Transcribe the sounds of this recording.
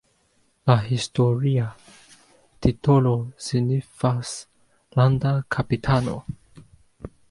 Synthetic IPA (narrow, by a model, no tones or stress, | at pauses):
laɦisto̞ɾia | tito̞losinifas | landakʰapitʰano̞̰